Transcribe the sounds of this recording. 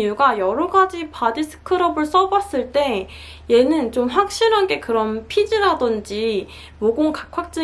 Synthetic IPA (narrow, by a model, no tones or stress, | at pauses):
juɡajʌɾʌɡad͡ʑipadisʰɯ̥kʰɯɾʌbɯɭs͈ʌbas͈ɯɭt͈e̞ | je̞nɯnt͡ɕomɸwak̚ɕ͈iɾɦanɡe̞kɯɾʌnpʰid͡ʑiɾadʌnd͡ʑi | moɡoŋkakʰwak̚t͡ɕ͈ɯ